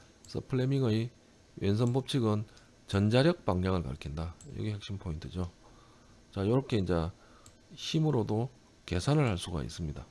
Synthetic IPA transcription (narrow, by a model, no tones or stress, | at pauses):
sʰʌ̰pʰɯɭːemiŋɯi | wʔens̬ʰʌnpop̚t͡ɕʰiɡɯn | t͡ɕʌnd͡ʑaɾjʌk̚p͈aŋɲaŋɯɭka̰ɭkʰindajʌ̰ɡihek̚ɕ͈impʰointʰɯd͡ʑo | t͡ɕajʌɾʌkʰeind͡ʑe | çimɯɾodo | ke̞sʰanɯɭhaɭs͈uɡa̰ḭs͈ɯmɲida